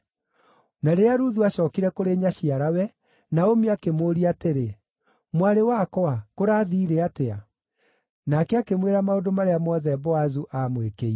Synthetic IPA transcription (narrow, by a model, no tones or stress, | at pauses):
naɾeaɾuðuaɕɔːkiɾɛkoɾeɲaɕiaɾawɛ | naomiakemoːɾiateɾe | mwaɾewakɔakoɾaːðiːɾeatea̰ | nakɛakemweɾamaodomaɾeamɔðɛbɔazuʔamwekei